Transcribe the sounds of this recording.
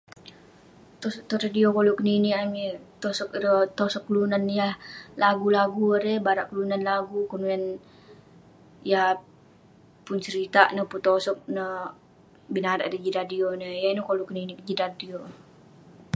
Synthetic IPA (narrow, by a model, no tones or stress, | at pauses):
t̪osɔt̪oɾadiokolokəniniamit̪osɔk̚ɾət̪osɔkːəlunanjahlaɡulaɡuɾebaɾaʔkəlunanlaɡukunuɛn | ja | pʊnt͡ʃəɾit̪aʔnəhput̪osɔk̚nə | binaɾaʔɾəd͡ʒiɾadionəjainukolukəninikəd͡ʒiɾadio